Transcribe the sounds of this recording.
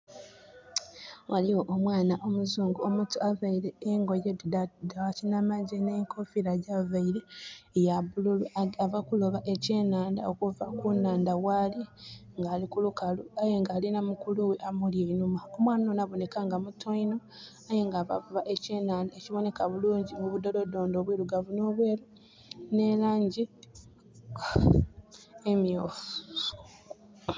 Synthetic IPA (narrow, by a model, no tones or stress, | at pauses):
waliwo̞ʔomwaːnaʔo̞muzuːŋɡuomutuavaiɾe̞ːŋɡo̞jedawacinamaɟeneŋkʰofiɾaɟavaiɾe̞ːjaβululuavakuloβaʔe̞ce̞ːnaːnda̰o̞kuvakunaːndawaliŋɡaːlikulukaluajeŋɡaːlinamukuluweʔamuljeinumaomwaːnonaβo̞ne̞kaŋɡamutoino̞ | ajeŋɡaːva̰vuβaʔe̞ceːnaːndaeciβo̞ne̞kaβuluːɲɟimuβudodo̞do̞ːndo̞βwiɾuɡavuno̞βwe̞ːɾu | ne̞laːɲɟi | emjoːf